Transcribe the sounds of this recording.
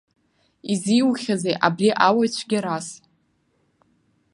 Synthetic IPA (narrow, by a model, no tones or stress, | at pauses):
iziwχʲazejʔabriʔawajt͡ɕʷʰɡʲaɾas